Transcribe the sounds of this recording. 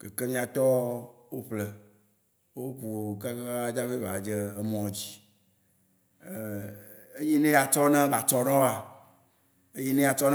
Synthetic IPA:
ke˨ke˦mĩ˦a˨t̪ɔ˦wo˦ɸlɛ˨ | wo˦ku˨ɡa˦ɡa˦d͡ʒa˦ve˦va˨d͡ʒe˦e˦mɔ̃˨d͡ʑi˨ | e˦ji˦nẽ˦a˨t͡ʃɔ˦nã˦ba˨t͡ʃɔ˦ɖɔ˦a˨ | e˦ji˦nẽ˦a˨t͡ʃɔ˦n

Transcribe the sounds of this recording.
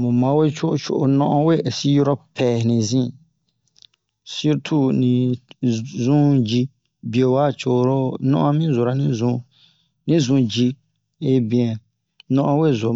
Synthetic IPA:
mũ˨mã˨˦we˦t͡ʃo˦ʔt͡ʃʰo̰˦˨ʔo˨nɔ̃˦ʔɔ̃˦we˦˨si˦jɾɔ˦pʰɛ˨nĩ˨zĩ˦ | si˦ɾtʰu˦˨nĩ˨ | zũ˦d͡ʒi˦ | bi˨o˨wa˦˨t͡ʃo˨ɾo˦nɔ̰̃˦ʔɔ̃˦mĩ˦zo˨ɾa˨nĩ˦zũ˦ | nĩ˦zũ˨d͡ʒi˦ | e˦bĩ˨ɛ̃˨ | nɔ̃˦ʔɔ̃˦we˦˨zo˨

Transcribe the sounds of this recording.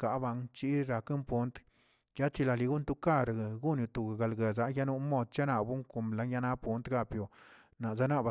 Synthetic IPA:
ka˨˦ba˧ŋt͡ʃi˦ɾa˧ke˦mpu˦nt̪ | ja˦t͡ʃi˧la˧li˧ɡu˦nt̪u˧ka˦˧ɾɡɡu˦nju˧t̪u˨ɡa˨ɡa˨lɡe˨za˨˦ja˦nu˧˦mo˧d̪̚t͡ʃa˦na˧bu˦ŋko˨mla˨˦nja˧na˦pu˦nt̪ɡa˧pjo˨ | na˨za˦na˦ba˧

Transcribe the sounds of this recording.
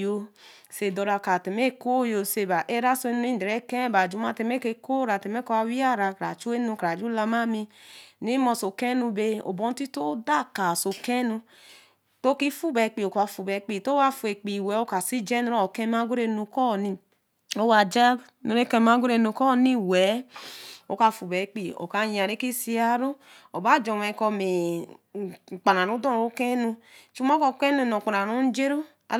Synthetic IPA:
jo˧ | se˨do˨ɾa˨˧˨ka˨te˨me˦ko˦˨jo˧se˧˨ba˨ʔe˦ɾa˦so˧e˧˦nu˦i˦˨de˨ɾe˨˦kɛ˦ba˨d͡ʒu˨˦ma˦te˧˨me˦ke˧ko˦ɾa˨te˨me˦ka˧wi˦a˦ɾa˨kɾa̰˨t͡ʃu˦e˦nu˧kɾa˨d͡ʒu˦la˧ma˦mi˧ni˦mɔ˧so˨ke˦nu˧be˧o̰˨bɔ˦n˦ti˦to˦da˦˨ka˨so˨ke˦nu˧ | to˦ki˦fu˦bɛ˨k͡pi˨o˨ka˧˨fu˨bɛ˨k͡pi˨to˦wa˧fu˨˧e˨k͡pi˨wɛ˨˦o˦ka˨si˦d͡ʒɛ˦n˦o˦˨ke˦ma˦ɡu˦ɾe˧nu˧kɔ˦˨ni˧ | o˦wa˨d͡ʒa˦ | no˨ɾe˦ke˦m˦a˨˦ɡʷu˦ɾe˨no˨kɔ˦˨ni˦wɛ˨˦ | o̰˦ka˨fu˨be˨˦k͡pi˨o̰˨ka˨ja˨ɾe˦ki˦si˦a˦ɾo˦ | o˨ba˦d͡ʒo˨me˨ko˧me˨ | k͡pa˨na˨ɾu˦dɔ˦˨o˦ke˦nu˧˨t͡ʃu˦ma˦ko˦˨ke˦nu˨no˨k͡pa˨ɾa˨ɾu˦n̩˦d͡ʒe˦ɾo˦ | a̰˨

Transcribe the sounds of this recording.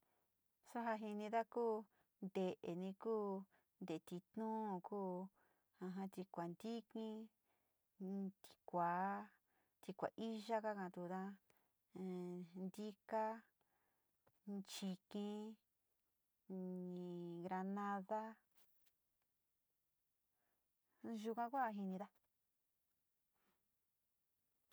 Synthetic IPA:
so˦ɦa˧ɦi˧nĩ˧ða˦kuː˦ | nd̪e˨ʔe˨nĩ˧kuː˦ | nd̪e˨˧t̪i˧t̪nũː˦˧˨kuː˦ | ã˧ɦã˧t̪i˧kʷa˨nd̪i˦kĩ˦ | t̪i̥˧kʷa˨˦ | t̪i˧kʷa̰˨ʔi˦ʒa˦ka˦kã˧t̪u˧t̪ã˦˨˧ | nd̪i˦ka˦ | t͡ʃi˧kĩ˧ | ɲĩ˨ɡɾa˧nã˦ða˦ | ʒu˧kʷã˧kʷa˦˧ɦi˧nĩ˧d̪a˦

